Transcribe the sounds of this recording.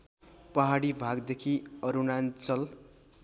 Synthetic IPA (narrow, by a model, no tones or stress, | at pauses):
pʌɦaɽibʱaɡd̪ekʰiʌɾunant͡sʌl